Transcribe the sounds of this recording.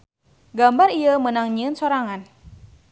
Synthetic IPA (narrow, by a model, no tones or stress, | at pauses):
ɡambariəmənaŋɲiənsoɾaŋan